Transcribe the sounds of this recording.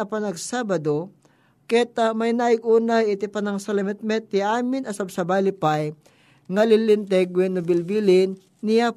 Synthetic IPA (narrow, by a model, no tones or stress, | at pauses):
ɐpɐnɐɡsaːbɐd̪o | kɛt̪amɐjnaːɪɡʔuːnajɪt̪ɪpɐnɐŋsɐlɛmɛt̪̚mɛt̪̚ːɪʔaːmɪnɐsɐbsɐbajlɪpaj | ŋɐlɪlɪnt̪ɛɡwɛnʊbɪlbilɪnː | ɪja